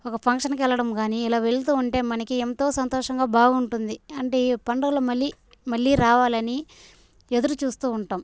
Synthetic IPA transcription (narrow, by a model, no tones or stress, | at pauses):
ɔkɐpʰɐŋkʂɐnkɛlːɐɽɐmɡaːniilaːʋe̞ɭt̪̬uːuɳʈe̞ːmɐnɐkient̪o̞ːsɐnt̪ɔːʂɐŋɡaːbʱaːɡɐuɳʈund̪iɐɳʈeːpɐɳɖɐɡɐlɐmɐlːi | mɐɭːiːɾaːʋaːlɐni | e̞d̪uɾut͡ʃuːst̪uːuɳʈaːm